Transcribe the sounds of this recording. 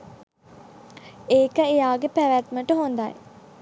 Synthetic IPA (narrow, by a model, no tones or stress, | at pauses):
eːkəejaːɡepæʋæt̪məʈəɦond̪a̰j